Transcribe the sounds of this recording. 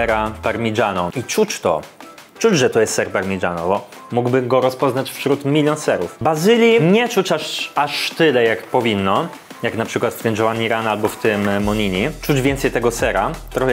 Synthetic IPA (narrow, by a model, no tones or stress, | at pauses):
ɛɾapaɾmʲiʐanɔit͡ʂut͡ɕt̪ɔ̰ | t͡ʂud͡ʑʐɛt̪ɔjɛst̪sɛɾpaɾmʲiʐa̰nɔ̰bɔ | muɡbɘmɡɔɾɔspɔznat͡ɕfɕɾut̪mʲilʲjɔnsɛɾufbazɘlʲjiɲɛt͡ʂut͡ɕaʂaʂt̪ɘlɛjakpɔvʲinːɔ | jaknapʂɘkwat̪ft̪ɘmd͡ʑɔwaɲiɾanalbɔft̪ɘmːɔɲiɲit͡ʂud͡ʑvʲɛnt̪sɛjt̪ɛɡɔsɛɾa̰t̪ɾɔxɛ